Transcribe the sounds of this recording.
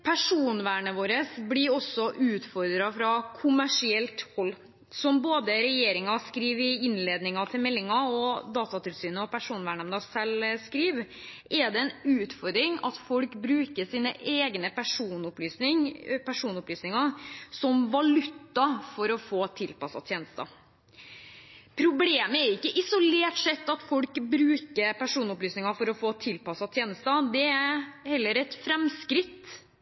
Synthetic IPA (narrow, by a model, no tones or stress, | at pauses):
pʰæʂuːnʋæːɳəʋoːɾəsblɪɾɔsːɔʔʉːt̪fɔɾd̪ɾɑfɾɑkʰʊmæʂɪɛlt̪hɔlː | sɔmboːd̪əɾɛjeːɾɪŋɑskɾiːʋɪɪnleːd̪nɪŋɑt̪ʰɪlmɛlːɪŋɑɔd̪ɑːt̪ɑt̪ʰɪlsyːnəɔpʰæʂuːnʋæːɳɛmnɑsɛlskɾiːʋ | ʔɛd̪ɛɛnʉːt̪fɔɾd̪ɾɪŋɑ̰t̪fɔlkbɾʉːkəʂiːnəʔeːɡnəpʰæʂuːnʊplyːsnɪŋpʰæʂuːnʊplyːsnɪŋɑsɔmʋɑlʉt̪ːɑfɔɾɔfoːt̪ʰɪlpɑsɑ̰t̪ʰjeːnəst̪ɑ̰ | pʰɾʊbleːməæɾɪkːəʔɪsʊleːʈʂɛt̪ːɑt̪fɔlkbɾʉːkəpæʂuːnʊplyːsnɪŋɑfɔɾɔfoːt̪ʰɪlpɑsɑt̪ʰjeːnəst̪ɑd̪ɛæhɛlːəɾɛt̪fɾɛmskɾɪt̪ː